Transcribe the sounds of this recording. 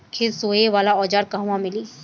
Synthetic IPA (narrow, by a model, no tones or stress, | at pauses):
kʰɪɾsoːeʋaːlaɔːd͡ʒaːɾkaɦũwãmɪliː